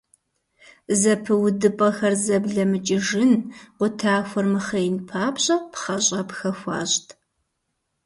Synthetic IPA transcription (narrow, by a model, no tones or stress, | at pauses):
zɐpʰɨwdɨpʼɐxɐrzɐbɮɐmɨt͡ʃʼɪʒɪnqʷʊtʰaːxʷɔrmɨχɐjnpʰaːbɕʼɐpχɐɕʼɐpxɐxʷɑ̰ːɕtʰ